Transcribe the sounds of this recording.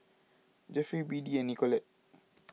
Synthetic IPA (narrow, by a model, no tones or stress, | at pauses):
d͡ʒɛfibiːdienikɔlɛ